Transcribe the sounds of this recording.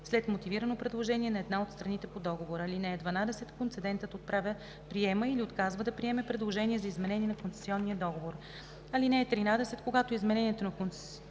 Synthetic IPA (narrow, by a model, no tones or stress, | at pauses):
slɛt̪mot̪iviɾənopɾɛd̪lˠoʒɛniɛnɐɛd̪naot̪st̪ɾɐnit̪ɛpod̪ɔɡovoɾəlinɛɛd̪vɐnad̪ɛsɛt̪kont̪sɛd̪ɛnt̪ət̪ot̪̚pɾavʲə | pɾiɛməiliot̪kazvəd̪ɐpɾiɛmɛpɾɛd̪lˠoʒɛnʲiɛzɐizmɛnɛniɛnɐkonsɛ̥siɔnːiəd̪ɔɡovoɾ | ɐlinɛɛt̪ɾinad̪ɛsɛt̪koɡat̪oizmɛnɛniɛt̪onɐkont̪sɛ